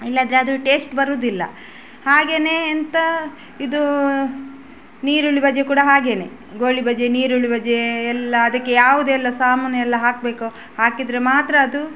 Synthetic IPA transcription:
ilːɐnd̪ɐɾeɐd̪uʈe̞ːsʈbɐɾuːd̪ilːɐ̰ | haːɡe̞ːne̞ːnt̪ɐ | id̪u | niːɾuɭibɐd͡ʒekuːɽɐɦaːɡe̞ne̞̰ | ɡoːɭibɐd͡ʒeniːɾuɭibɐd͡ʒeɛlːɐːd̪ɐkːejaːʋud̪ɛlːɐsaːmɐnɛlːɐɦaːk̚be̞ːku | haːkid̪ɾemaːt̪ɾɐːd̪u

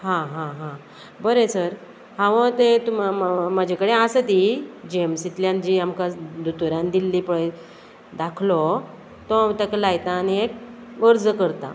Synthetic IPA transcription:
ɦãɦãɦã | bəɾesəɾ | ɦãʋət̪et̪ummad͡ʑʱakəɽeasət̪id͡ʑemsit̪ljãnd͡ʑiamkad̪ʱut̪uɾãnd̪ilːipəɭe | d̪akʰlɔ | t̪ɔamt̪aklajt̪aːniek̚ | əɾd͡zəkəɾt̪a̰

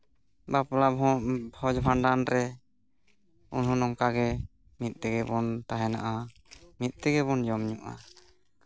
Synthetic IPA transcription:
baplabɔbʰɔd͡ʒbʱaɳɖanɾɛ | unɦunɔŋkaɡɛ | mit̪̚ˀt̪ɛɡɛbɔnt̪aɦɛna̰ʔa | mit̪̚ˀt̪ɛɡɛβɔnd͡ʒɔmɲuʔa̰

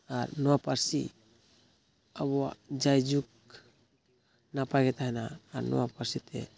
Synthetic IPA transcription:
aɾnɔwapaɾsḭ | aβɔa̰d͡ʒajd͡ʒuk̚ | napaɡɛt̪aɦɛnaːɾnɔ̰wapaɾsit̪ʰɛ̰

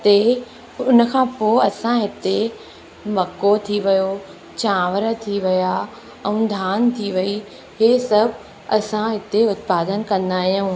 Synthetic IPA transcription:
t̪e | ʊnə̆kʰãːpoːɐsãɦɪt̪e | mɐkot̪ʰiʋɐjo | t͡ɕãːʋəɾət̪ʰiʋɪja | ɛ̃ũd̪ʱaːnt̪ʰiʋɐi | ɦeːsɐbʱ | ɐ̰sãɦɪt̪eʊt̪̚paːd̪ənkɐ̃nd̪aːɦijũː

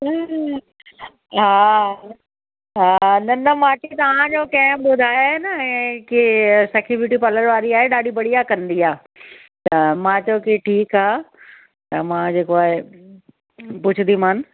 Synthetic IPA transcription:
ɦa | ɦanɐnɐmaːket̪ɐʋ̤ãd͡ʑoːkɐ̃ɦɪ̃ɓʊd̪ʱaːjoɦenɐɛ̃ːkisɐkʰɪʋɪʈipɐləɾʋaːɾiaːɦeɗaːɖibɐɽiakɐ̃n̆d̪iaː | t̪ɐmãːt͡ɕɐjokiʈʰiːkaː | t̪ɐmãd͡ʑeːkoaːɦe | pʊd͡ʑʰʊd̪imãːn̆

